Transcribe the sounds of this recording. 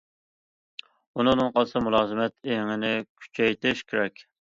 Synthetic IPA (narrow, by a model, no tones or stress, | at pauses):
unɨŋnɨŋqʰɑsɨmulˠɑːzɨmɛt̪ʰeŋɪnɪkʲʰy̥t͡ʃʰɛjt̪ɪʃkʲʰeɾɛkʲ